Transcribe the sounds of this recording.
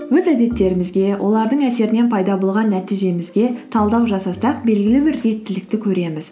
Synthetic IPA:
wɵzæd̪e̞t̪ːe̞ɾɪmɪzɡʲe̞wʔo̞lˠɑɾd̪əɴæse̞ɾɪne̞npʰɑjd̪ɑbo̞lˠʁɑnːæt̪ijʒe̞mɪzɡʲe̞t̪ʰɑlˠd̪ɑwʒɑsɑsɑq̚be̞lɡʲɪlɪbɪɾːe̞t̪ːɪlɪk̚t̪ɪkʲʰɵɾe̞mɪz̥

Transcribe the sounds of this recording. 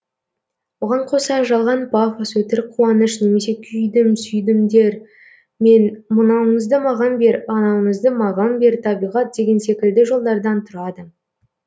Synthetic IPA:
wo̞ʁɑɴqʰo̞sɑʒɑlˠʁɑnpʰafosɵt̪ɪɾqʰːuɑnəʃne̞me̞se̞kʲʰʏjd̪ɪmsʏjd̪ɪmd̪e̞ɾ | me̞nmʊnɑwəɴəzd̪əmɑʁɑnbe̞ɾɑnɑwəɴəzd̪əmɑʁɑnbe̞ɾt̪ʰɑbijʁɑt̪̚d̪e̞ɡʲe̞nse̞kʲɪld̪ɪʒo̞lˠd̪ɑɾd̪ɑnt̪ʰʊɾɑd̪ə

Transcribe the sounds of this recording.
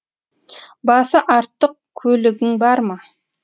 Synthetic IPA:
bɑsəʔɑɾt̪ːəq̚kʲʰɵlɪɡʲɪŋbɑɾmɑ

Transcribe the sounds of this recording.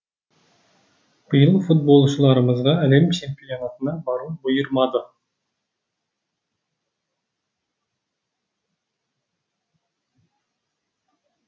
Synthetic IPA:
b̥ɯjɯlˠfut̪̚bo̞lˠt͡ʃʰulˠɑɾɯmɯzʁɑælemt͡ʃʰempijo̞nɑt̪ʰɯnɑbɑɾbujuɾmɑd̪ɯ

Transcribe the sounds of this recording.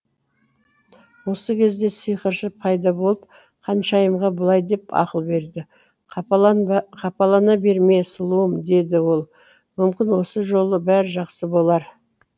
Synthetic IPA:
wo̞səkʲʰe̞zd̪e̞sijqəɾʃəpʰɑjd̪ɑbo̞lˠəp̚ | qʰɑnʃɑjəmʁɑbəlˠɑjd̪e̞pɑ̰qəlˠbe̞ɾd̪ɪ | qʰɑpɑlˠɑnɑbe̞ɾme̞səlˠuəmd̪e̞d̪ɪwo̞lˠ | mʏmkʲɪnwo̞səʒo̞lˠəbæɾʒɑqsəbo̞lˠɑɾ

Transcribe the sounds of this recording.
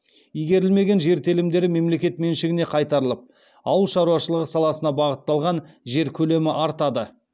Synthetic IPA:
ijɡʲe̞ɾɪlme̞ɡʲe̞nʒe̞ɾt̪ʰelɪmd̪e̞ɾɪme̞mle̞kʲe̞t̪me̞nʃɪɡʲɪne̞qʰɑjt̪ɑɾəlˠəp̚ | ɑwəlˠʃɑɾuɑʃəlˠəʁəsɑlˠɑsənɑbɑʁət̪ːɑlˠʁɑnʒe̞ɾkʲʰɵle̞mɪʔɑɾt̪ɑd̪ə

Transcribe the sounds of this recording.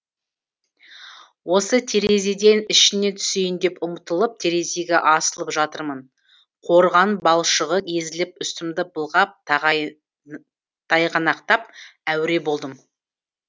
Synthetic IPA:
wo̞sət̪ʰeɾe̞zed̪e̞nɪʃɪne̞t̪ʰʏ̥sejɪnd̪e̞pʊmət̪əlˠəp̚t̪ʰe̞ɾe̞zeɡʲeʔɑsəlˠəpʒɑt̪əɾmən | qʰo̞ɾʁɑnbɑlˠʃəʁəkʲʰe̞zɪlɪp̚ʏst̪ɪmd̪ɪbəlˠʁɑp̪̚ | t̪ʰɑjqʰɑnɑqt̪ɑp̚æwɾe̞bo̞lˠd̪əm

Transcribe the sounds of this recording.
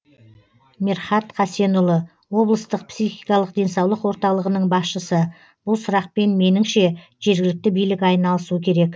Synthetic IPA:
meɾχɑt̪qʰɑse̞nʊlˠə | wo̞blˠəst̪əq̚psijχijkɑlˠəqd̪e̞nsɑwlˠəqwo̞ɾt̪ɑlˠəʁənəɴbɑsʃəsə | b̥ʊlˠsʊɾɑq̚pe̞nme̞nɪŋʃe̞ʒe̞ɾɡʲɪlɪk̚t̪ɪbijlɪkɑjnɑlˠəsuəkʲʰe̞ɾe̞k

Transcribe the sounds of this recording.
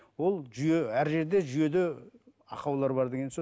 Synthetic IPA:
wo̞lˠʒyje̞æɾʒe̞ɾd̪eʒʏje̞d̪ɪ | ɑqɑwlˠɑɾbɑɾd̪eɡʲeso

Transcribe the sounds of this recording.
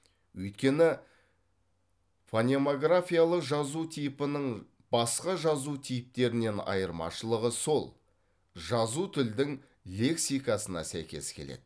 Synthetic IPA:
wɵjt̪kʲe̞nɪ | fonʲemoɡrafʲijalˠəqʒɑzut̪ʰijpənəɴ | b̥ɑsqɑʒɑzut̪ʰijɪp̚t̪e̞ɾɪne̞nɑ̰jəɾmɑ̰ʃəlˠəʁəso̞lˠ | ʒɑzut̪ʰʏld̪ɪŋ | le̞ksijkɑsənɑ̰sæ̰jkʲe̞̰skʲʰele̞̰d̪̥ɪ

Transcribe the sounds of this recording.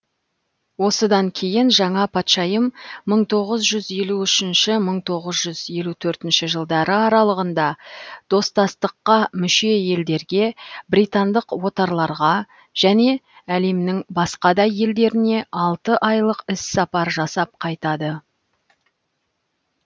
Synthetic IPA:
wo̞səd̪ɑŋkʲʰe̞jɪnʒɑɴɑpʰɑt̪ʃɑjəmːəɴt̪ʰo̞ʁəzʒʏzje̞luʏʃɪnʃɪməɴt̪ʰo̞ʁəzʒʏzje̞lut̪ʰɵɾt̪ɪnʃɪʒəlˠd̪ɑɾəɑɾɑlˠəʁənd̪ɑd̪̥o̞st̪ɑst̪əqːɑmʏʃe̞je̞ld̪e̞ɾɡʲe̞bɾijt̪ɑnd̪əqwo̞t̪ɑɾlˠɑɾʁɑ | ʒ̥æne̞ | æle̞mnɪŋbɑsqɑd̪ɑje̞ld̪e̞ɾɪne̞ʔɑlˠt̪əʔɑjlˠəqɪsːɑpɑɾʒɑsɑp̚qʰɑjt̪ɑd̪ə

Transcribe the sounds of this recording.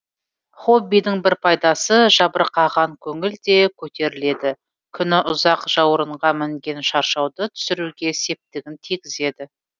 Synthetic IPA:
χo̞bːijd̪ɪŋbɪɾpʰɑjd̪ɑsəʒɑbəɾqɑʁɑŋkʲʰɵŋɪld̪e̞kʲʰɵt̪e̞ɾɪle̞d̪ɪ | kʲʰʏnɪʔʊzɑqʒ̥ɑwəɾəɴʁɑmɪmɡʲe̞nʃɑɾʃɑwd̪ət̪ʰʏ̥sɪɾuɡʲe̞se̞p̚t̪ɪɡʲɪnt̪ʰiɡʲɪze̞d̪ɪ

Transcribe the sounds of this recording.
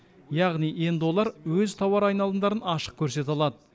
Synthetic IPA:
jɑʁnije̞nd̪ɪwo̞lˠɑɾwɵzt̪ʰɑwɑɾɑjnɑlˠəmnd̪ɑɾənɑʃə̥q̚kʲʰɵɾse̞t̪ɑlˠɑd̪ə

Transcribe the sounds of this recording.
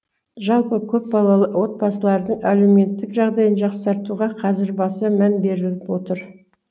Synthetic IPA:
ʒɑlˠpəkʲʰɵp̚bɑlˠɑlˠəwo̞t̪̚bɑsəlˠɑɾd̪əɴælewme̞t̪ːɪkʒɑʁd̪ɑjənʒɑqsɑɾt̪uʁɑqʰɑzɪɾbɑsəmænbe̞ɾɪlɪpwo̞t̪əɾ

